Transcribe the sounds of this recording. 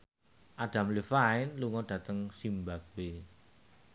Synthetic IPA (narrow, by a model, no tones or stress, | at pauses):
ʔad̥a̤mlifaɪnluŋɔd̥ä̤t̪əŋsimbat̚be